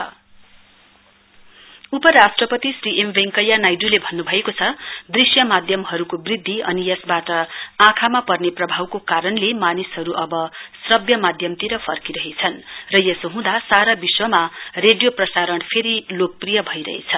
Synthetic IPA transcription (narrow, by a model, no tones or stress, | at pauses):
upʌɾasʈrʌpʌt̪isriʔembeŋkʌjːanajɖulebʱʌnːubʱʌekot͡sʰʌd̪risjʌmad̪ʱjʌmɦʌɾukobrid̪ʱːiʌnijʌsbaʈʌãkʰamapʌrneprʌbʱawkokaɾʌnlemanisɦʌɾuʔʌbʌsrʌbjʌmad̪ʱjʌmt̪iɾʌpʰʌrkiɾʌɦet͡sʰʌnrʌjesoɦũd̪asaɾabiswʌmareɖjoprʌsaɾʌnpʰeɾilok̚prijʌbʱʌiɾʌ̰ɦḛt͡sʰʌ